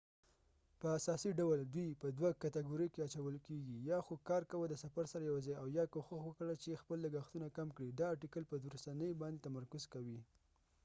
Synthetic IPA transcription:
pəasɑsiɖawəld̪wipəd̪wakat̪aɡuɾijkeat͡ʃawəlkeɡijɑxokɑɾkawəd̪əsafaɾsaɾajawzɑjawjɑkoxʊxwəkɽat͡ʃexpəlːəɡaxt̪unakamkɽid̪ɑːʈikəlpəd̪uɾasanəjbɑnd̪et̪amaɾkʊzkawi

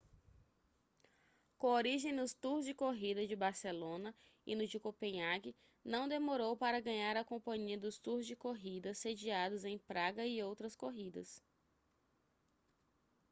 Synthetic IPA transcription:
kõoɾiʒẽj̃d̪ʊst̪uɾzd͡ʒɪkoɦid̪ɐd͡ʒɪbaɾselõnɐ | ɪ̰nʊd͡ʒɪkopẽɲaɡɪ | nɐ̃w̃d̪emoɾowpaɾɐɡɐ̃ɲaɾɐkõpɐ̃ɲiɐd̪ʊst̪uɾzd͡ʒɪkoɦid̪ɐsed͡ʒiad̪ʊzẽj̃pɾaɡɐɪowt̪ɾɐskoɦid̪ɐ̰s

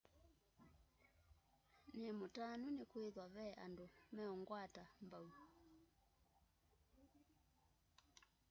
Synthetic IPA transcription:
nemotanunekweðwaβɛʔandomɛɔŋɡwatambau

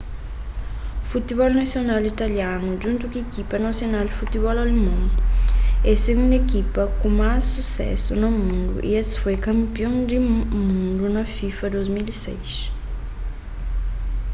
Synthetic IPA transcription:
fut̪iβɔlnasjonalit̪aljanud͡ʒũnt̪ukiekipɐnasjonalfut̪iβɔlalemõŋ | ɛseɡũnd̪ekipɐkumasːusɛ̰sunomũnd̪ṵʔḭesfojkɐ̃mpjõŋd̪imũnd̪unɐfifɐd̪ojzmilisɛ̰jʃ

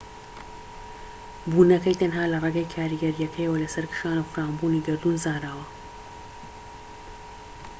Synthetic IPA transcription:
buːnɐkɐjt̪ʰɐnɦaːlɐreɡɐjkʰaːɾiːɡɐɾijɐkʰɐjɐwɐlɐsɐɾkʰɨ̥ʃaːnɨwfɾaːmbuːniːɡɨɾd̪unzaːɾaːwɐ

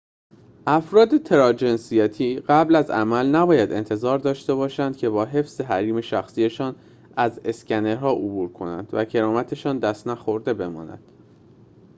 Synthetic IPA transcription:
ʔæfɾɒːd̪e̞t̪ʰe̞ɾɒːd͡ʒe̞nsijæt̪ʰiːɢæblæzæ̰mælnæbɒːjæd̪e̞̰nt̪ʰe̞zɒːɾd̪ɒːʃt̪e̞βɒːʃænd̪̥cʰe̞bɒːɦe̞fsz̥e̞ɦæɾiːme̞ʃæxsije̞ʃɒːn | æze̞scæne̞ɾɦɒːʔobuːɾkʰo̞næ̰nd̪væcʰe̞ɾɒːmæt̪ʰe̞ʃɒːnd̪æst̪næxo̞ɾd̪e̞bemɒ̰ːnæ̰d̪̥

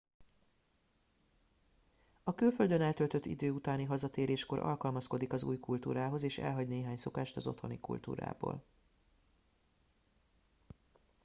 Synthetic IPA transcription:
ɒkylføld̪ønɛlt̪ø̞lt̪øt̪ʰːḭd̪øːut̪aːniɦɒzɒt̪eːɾeːʃko̞ɾʔɒ̰lkɒlmɒsko̞d̪ikɒzṵːjkult̪ṵːɾaːɦo̞zeːʃɛ̰lɦɒɟneːɦaːɲso̞kaːʃt̪ɒzo̞̰t̪ho̞nikṵlt̪ṵːɾa̰ːbo̰ːl

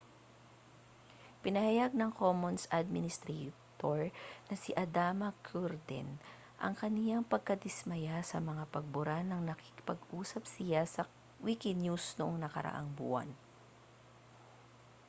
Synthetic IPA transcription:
pɪnɐhajaɡ̚nɐŋkomonsʔad̪̚mɪnɪst̪ɾɛt̪oɹnɐsiʔɐd̪amɐkʰuɾd̪ɛ̰n | ʔɐ̰ŋkɐnɪjaŋpɐɡ̚kɐd̪ɪsmɐjasɐmɐŋapɐɡ̚bʊɾanːɐŋnɐkɪkɪ̥pɐɡʔuːsɐp̚sɪjasɐ | wikɪjusnʊʔoŋnɐkɐ̰ɾɐ̰ʔa̰ŋbṵːʔɐ̰n

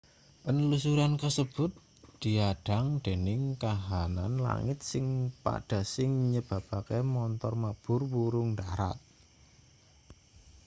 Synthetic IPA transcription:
ʔənlusuɾankəsəb̥ʊ̤t̪̚ | d̪̥i̤aɖ̥a̤ŋd̪̥e̤nɪŋkaɦananla̰ŋɪt̪̚sɪŋpa̰ɖ̥a̤sɪŋɲəb̥a̤b̥a̤kemɔnt̪ɔrmab̥ʊ̤rwuɾʊŋɳd̪aɾa̰t̪̚

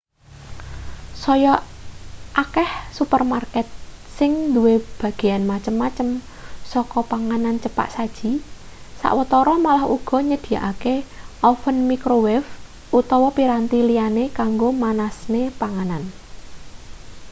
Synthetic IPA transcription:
sɔjɔ | ʔakɛhsupərmarkɛt̪̚sɪŋd̪uweb̥ä̤ɡ̥e̤janmat͡ʃəmːat͡ʃəm | sɔkɔpaŋanant͡ʃəpa̰ʔsad̥ʒ̥i̤ | sa̰ʔwət̪ɔɾɔmalahṵɡ̥ɔ̤ɲəd̪̥i̤a̰ʔakeʔɔfənmikɾowɛf | ʔut̪ɔwɔpiɾant̪ilianekaŋɡomanasnepaŋanan

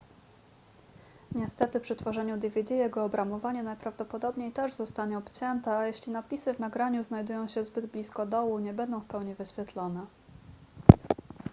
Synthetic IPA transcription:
ɲɛst̪ɛt̪ɘpʂɘt̪fɔʐɛɲud̪ʲivʲɛd̪ʲijɛɡɔːbɾamɔvaɲɛnajpɾavd̪ɔpɔd̪ɔbɲejt̪ɛʐzɔst̪aɲɛɔpt͡ɕɛnt̪ɛajɛɕlʲinapʲisɘvnaɡɾaɲuznajd̪ujɔ̃w̃ɕɛzbɘd̪blʲiskɔd̪ɔwuɲɛbɛnd̪ɔ̃w̃fpɛwɲivɘɕfʲjɛt̪lɔnɛ

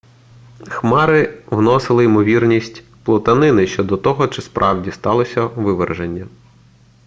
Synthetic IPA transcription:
xmɑɾɪwnɔsɪlˠɪimɔʋʲirnʲisʲtʲ | plˠɔt̪ɐnɪnɪʃt͡ʃɔd̪ɔt̪ɔɦɔt͡ʃɪspɾʔɑwdʲist̪ɑlˠɔsʲɐʋɪʋerʒenʲːɐ

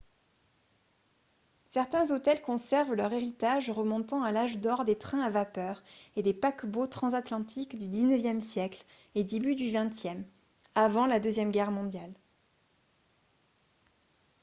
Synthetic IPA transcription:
sɛʁt̪ɛ̃zot̪ɛlkɔ̃sɛʁvlœʁeʁit̪aʒʁəmɔ̃t̪ɑ̃alaʒd̪ɔʁd̪et̪χɛ̃avapœʁed̪epakbot̪χɑ̃zat̪lɑ̃t̪ʰikd̪yd̪iznəvjɛmsjɛkl | ed̪ebyd̪yvɛ̃t̪jɛm | avɑ̃lad̪øzjɛmɡʲɛʁmɔ̃d̪jal

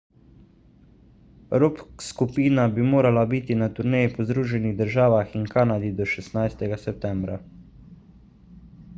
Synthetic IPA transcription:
ɾopskupiːnabimoːɾalabiːt̪inat̪uɾneːjipɔzd̪ɾuːʒɛniɣd̪əɾʒaːʋaxinkaːnad̪id̪ɔʃɛsnajst̪ɛɡasɛp̚t̪ɛmbɾa

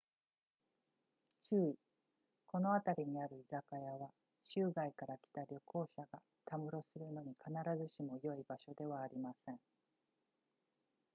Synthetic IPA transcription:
t͡ɕɨːi | ko̞no̞at̪aɾʲiɲ̟iaɾɯ̟izakajaβa | ɕɨːɡaikaɾakʲi̥t̪aɾʲo̞ko̞ːɕaɡa | t̪amɯ̟ɾo̞sɨɾɯ̟no̞ɲ̟ikʰanaɾazɨɕimo̞jo̞ibaɕo̞d̪e̞β̞aːɾʲimasẽ̞ŋ

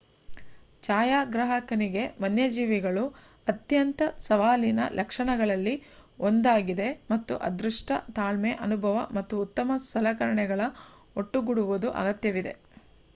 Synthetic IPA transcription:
t͡ʃaːjaːɡɾɐɦɐkɐniɡe̞ʋɐnjɐd͡ʒiːʋiɡɐɭu | ɐt̪jɐnt̪ɐsɐʋaːlinɐ̰lʔɐkʂɐɳɐɡɐɭɐlːiond̪aːɡid̪e̞mɐt̪ːṵʔɐ̰d̪ɾuʂʈɐ̰t̪aːlmeʔɐnubʱɐʋɐ̰mɐt̪ːuːt̪ːɐmɐst̪ʰɐlɐkɐɾɐɳɛɡɐɭɐ | o̞ʈːuɡuɽuʋud̪uʔɐ̰ɡɐt̪jɐʋid̪e̞̰

